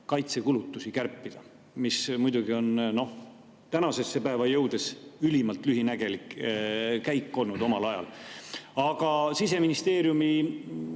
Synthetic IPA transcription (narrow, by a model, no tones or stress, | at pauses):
kɑjt̪se̞kulut̪ːusikærpːid̪̥ɑ | mismujd̪uɡio̞nno̞h | t̪ænɑse̞sːe̞pæe̞vɑjɤ̞wd̪̥e̞sylimɑlt̪ˑlyɦinæɡ̥e̞lik | kæjkːˑo̞lnud̪̥o̞mɑlɑjɑ̰l | ɑɡ̥ɑsis̬e̞minist̪e̞ːɾjumi